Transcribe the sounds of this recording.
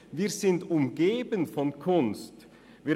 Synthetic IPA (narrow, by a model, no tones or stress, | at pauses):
viːzɪntʊmɡeːbənfɔnkʰʊnst | viː